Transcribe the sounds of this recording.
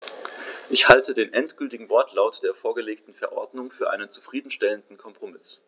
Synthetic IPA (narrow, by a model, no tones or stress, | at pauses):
ʔɪçhaltʰədeːnʔɛntɡ̥ʏltɪɡŋ̩vɔɐtʰlaʊtd̥eːɐfoːɐɡəleːktn̩fɛɐʔɔ̰ɐdnʊŋfyːɐʔa̰ɪnənt͡su̥fʁ̥iːdn̩ʃtɛləndn̩kʰɔmpʁ̥omɪs